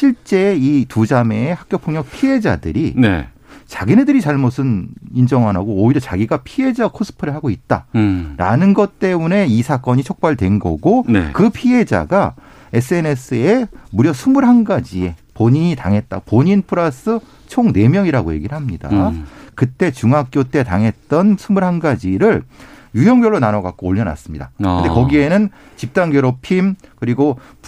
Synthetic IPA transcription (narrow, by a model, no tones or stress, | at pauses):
ɕʰiɭt͡ɕ͈e̞itud͡ʑame̞ːhak̚k͈jopʰoŋɲjʌk̚pʰie̞d͡ʑa̰dɯ̰ɾinḛ | t͡ɕaɡine̞dɯɾit͡ɕaɭmosʰɯnind͡ʑʌŋɦanɦaɡoːiɾjʌt͡ɕaɡiɡapʰie̞d͡ʑakʰos͈ʰɯ̥pʰɯɾɯɭɦaɡoit̚t͈a̰ɾa̰nɯnɡʌt̚t͈e̞mune̞isʰak͈ʌɲit͡ɕʰok̚p͈aɭdwe̞nɡʌ̰ɡonḛkɯpʰie̞d͡ʑa̰ɡa | e̞s͈ʰɯene̞s͈ʰɯemuɾjʌsʰumuɾɦanɡad͡ʑie̞poɲiɲitaŋɦe̞t̚t͈a̰ɡopoɲinpʰɯɾasʰɯ | t͡ɕʰoŋne̞mjʌŋiɾaɡoje̞ɡiɾɯɭhamɲida̰kɯt͈e̞t͡ɕuŋɦak̚k͈jot͈e̞taŋɦe̞t̚t͈ʌnsʰumuɾɦanɡad͡ʑiɾɯɭjujʌŋbjʌɭːonanʌɡak̚k͈oːʎːʌna̰s͈ɯmɲida̰kɯndekʌɡie̞nɯn | t͡ɕip̚t͈aŋɡʌɾopʰimkɯɾiɡo